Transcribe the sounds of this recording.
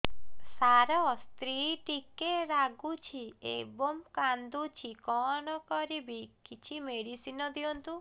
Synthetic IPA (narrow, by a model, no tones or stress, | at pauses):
saɾɔst̪ɾiʈikeɾaɡut͡ʃʰiḛbɔmkand̪ut͡ʃʰikɔɳ̃ɔkɔɾibikit͡ʃʰimeɽisinɔd̪iɔnt̪u